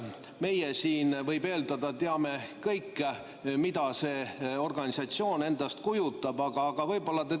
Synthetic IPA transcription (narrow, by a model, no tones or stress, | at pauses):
me̞jesiːnvɤjbe̞ːld̪ɑd̪̥ɑt̪eɑme̞kɤjkː | mid̪̥ɑse̞ːo̞rɡ̥ɑnʲisɑt̪sio̞ːne̞nd̪̥ɑst̪̚kujut̪ːˑɑb̥ɑɡ̥ɑːɡ̥ɑvɤjbo̞lːɑt̪e